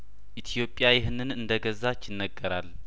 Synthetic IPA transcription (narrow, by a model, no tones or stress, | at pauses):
ʔit̪ʰjo̞pʼːjajɪɦnɨnɨnd̪əɡəzat͡ʃːɪnːəɡːəɾal